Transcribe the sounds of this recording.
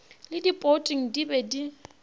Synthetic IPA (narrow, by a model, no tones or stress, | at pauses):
lɪdipʼotʼɪŋ̩dibɛdi